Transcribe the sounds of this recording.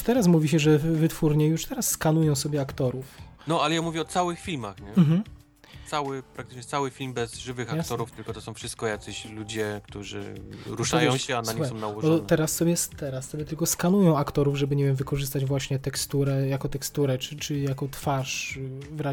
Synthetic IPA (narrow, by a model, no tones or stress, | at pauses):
t̪ɛɾas̬muvʲiɕɛʐɛvɘt̪fuɾɲɛjuʂt̪ɛɾasːkanujɔ̃w̃sɔbʲjɛakt̪ɔɾufnɔalɛjamuvʲɛɔt̪sawɘxfʲilmaxɲɛm̩ɦm̩ | t̪sawɘpɾak̚t̪ɘ̥t͡ʂɲɛt̪sawɘfʲilmbɛzʐɘvɘxaat̪ɔɾuft̪ɘlkɔt̪ɔsɔ̃w̃fʂɘst̪̚kɔjak̪sɛɕlud͡ʑɛkt̪uʐɘ̰ɾuʂajɛɔ̃wɕɛanaɲissɔ̃wnawɔʐɔɔɔnt̪ɛɾasːɔbʲjɛst̪ɛɾasːɔbʲjɛt̪ɘlkɔskanujɔ̃w̃akt̪ɔɾuvʐɛbɘɲevʲjɛmvɘkɔʐɘst̪ad͡ʑvwaɕɲɛt̪ɛkst̪uɾɛjakɔt̪ɛkst̪uɾɛt͡ʂɘt͡ʂɘjakɔt̪faʂvɾa